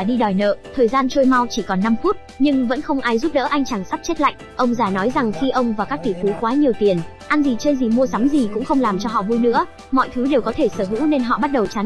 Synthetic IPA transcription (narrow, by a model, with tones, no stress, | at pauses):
a˧˨˩ɗi˧ɗɔ˨˩jnə̰ː˧˨t̪ʰəː˨˩jzaː˧nt͡ɕo˧jma˧wt͡ɕi˧˩kɔ˨˩nːa˧mfu˦˥t̚ɲɨ˧ŋvə̰˧˥nxə˧wŋ͡mʔaː˧jzu˦˥p̚ɗə̰ː˧˥ʔa˧jŋ̟t͡ɕa˧˩ŋsa˦˥p̚t͡ɕe˦˥t̚la̰˧˨jŋ̟ʔə˧wŋ͡mzaː˨˩nɔ˨˦jza˨˩ŋxi˧ʔə˧wŋ͡mvaː˨˩wkaː˦˥k̚t̪i˧˨˩fu˨˦kwaː˨˦ɲi˨˩əwt̪i˨˩ən | ʔa˧nzi˨˩t͡ɕəː˧jzi˨˩mu˧əsa˨˦mzi˨˩kʊ̰˧˥ŋ͡mxə˧wŋ͡mlaː˨˩mt͡ɕɔ˧ɦɔ̰˧˨vu˧jnɨ̰˧˥ə | mɔ̰˧˨jt̪ʰɨ˨˦ɗe˨˩wkɔ˨˦t̪ʰe˧˩səː˧˩ɦɨ̰˧˥ne˧nɦɔ̰˧˨ɓa˦˥t̚ɗə˨˩wt͡ɕa˨˦n